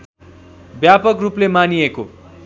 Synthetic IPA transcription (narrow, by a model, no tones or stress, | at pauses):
bjapʌkruplemanijeko